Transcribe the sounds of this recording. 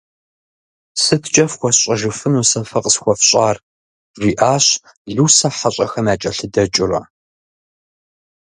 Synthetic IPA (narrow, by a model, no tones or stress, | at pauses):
sɨtʰt͡ʃʼɐfχʷɔɕʼɐʒɨfɨnuːsɐfɐqʼəsxʷɔfɕʼɑːr | ʒʷiːʔaːɕ | ɮuːsɐħaɕʼɐxɐmaːt͡ʃʼɐɬɨdɐt͡ʃʼɪrɐ̰